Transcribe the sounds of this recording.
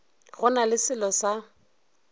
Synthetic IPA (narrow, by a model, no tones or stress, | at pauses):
ɣʊnalɪsɪlɔsa